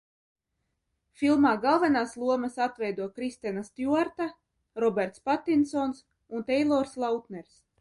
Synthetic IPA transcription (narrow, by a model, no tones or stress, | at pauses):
fʲilˠmaːɡalˠvɛnaːslˠuɔmasat̪vɛjd̪uɔkɾist̪ɛnast̪ʲjuaɾt̪a | ɾɔbʲɛɾt̪spat̪ːinsɔːns | unt̪ɛjlˠɔːɾslˠawt̪nɛɾs